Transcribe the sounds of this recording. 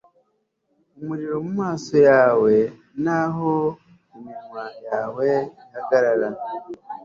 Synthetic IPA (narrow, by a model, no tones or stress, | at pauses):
umuɾiɾo̞mumaːso̞jaːwe̞ | naɦo | emiɾimajaːweihakaɾala